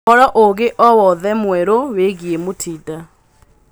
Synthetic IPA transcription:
ɔɾɔʔoɣeʔɔwɔðɛmwɛɾoweɣiemotʰida

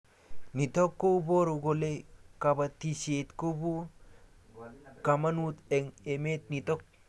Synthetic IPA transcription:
nitɔkːobɔɾuɡolekabatisetkobu | kamanut̪eŋemet̪̚nitɔk̚

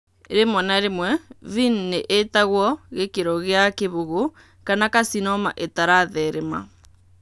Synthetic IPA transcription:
eɾemwɔnaɾemwɛvinneʔetaɣwɔɣekeɾɔɣeakeβoɣo | kanakasinɔma̰ʔetaɾaðɛɾema̰

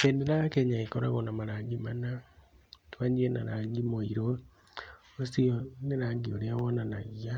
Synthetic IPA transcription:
endinaakeɲaikoɾa̰ɣonamaɾaːŋɡimana | twaɲd͡ʒiena̰ɾaːɡimoiɾo | osioneɾaŋɡioɾeawɔnanaɣia

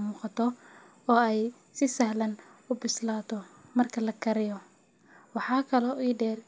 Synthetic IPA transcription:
muːqɑt̪ʰɔ | ɔːɛj | sɪsɐhlɐn | ʊbɪslaːt̪ʰɔ | mɐrkʰɐlɐkʰɐɾɪjɔ | wɑħɑːkʰɐlɔʔiːɖɛːr

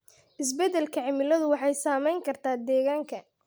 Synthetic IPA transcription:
ʔɪs̬bɛd̪ɛlkʰɐʕɪmɪlɐðʊwɑħɑjsaːmɛjŋkʰɐrt̪ʰaːd̪ɛːɣaːŋkʰɐ

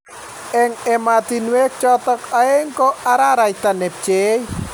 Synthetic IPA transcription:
ɛŋɛmat̪inwek̚t͡ʃɔt̪ɔkaeŋkɔaɾaɾajt̪anɛp̚t͡ʃej

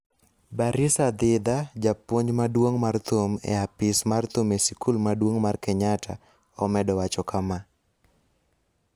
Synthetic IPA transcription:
baɾɪsad̪ɪd̪ad͡ʒapoɲd͡ʒmadwoŋmart̪omɛ̰apɪsmart̪umɛsikulmadwoŋmarkɛɲatʰa̰ | ɔmɛdɔwat͡ʃɔkama

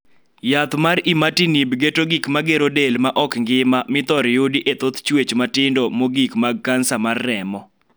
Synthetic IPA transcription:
jat̪maɾimatinibɡetoɡikmaɡeɾodelmaʔɔkŋɡɪmamɪt̪ɔɾjodiʔet̪ot̪t͡ʃwet͡ʃmatɪndomoɡikmaɡ̚kansamarːɛmɔ

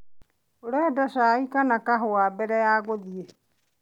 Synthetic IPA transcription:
oɾɛːdaʃaːikanakaɦowaːbɛɾɛjaːɣoðie

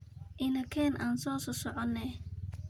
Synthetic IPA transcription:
ʔɪnɐkʰɛːnʔaːnsɔːsɔsɔʕɔnːɛ

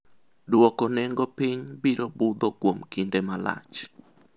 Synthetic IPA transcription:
dwɔkɔnɛŋɡɔpɪɲbiɾobʊd̪okwomkindemala̰t͡ʃ

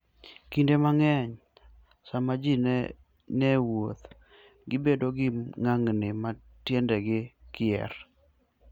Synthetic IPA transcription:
kindemaŋɛɲ | samad͡ʒin | nɛwot̪ | ɡɪbedoɡɪŋaŋnɪma | tjendɛɡɪkɪɛ̰r

